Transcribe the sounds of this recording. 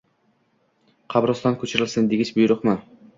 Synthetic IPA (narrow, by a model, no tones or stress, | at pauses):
qʰɑbɾɒst̪ɑnkʲʰɵt͡ʃʰɪɾɪlʲsɪnd̪eɡʲɪt͡ʃbʊjɾʊqmɪ